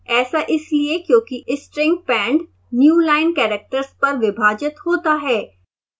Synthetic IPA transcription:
ɛːsaʔɪsliekjõːkiʔɪsʈɾɪ̃ŋɡ̚pɛ̃ːɳɖ | njuːlaːɪnkɛːɾek̚ʈəɾspɐɾʋɪbʱaːd͡ʒɪt̪hoːt̪aɦɛː

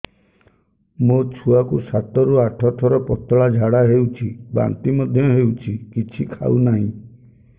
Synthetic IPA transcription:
mot͡ʃʰuakusat̪ɔɾuaʈʰɔʈʰɔɾɔpɔt̪ɔɭad͡ʒʱaɽaɦewt͡ʃʰiba̰nt̪imɔd̪ʱjɔɦewt͡ʃʰikit͡ʃʰikʰa̰unaɦḭ̃

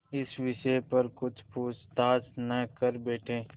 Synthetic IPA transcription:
ɪsʋɪʃepɐɾkʊt͡ʃʰpuːt͡ʃt̪aːsnɐkɐɾbeːʈʰẽː

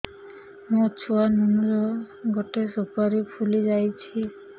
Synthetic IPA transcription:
mũt͡ʃʰuanunɾɔ | ɡɔʈesupaɾipʰulid͡ʒajt͡ʃʰi

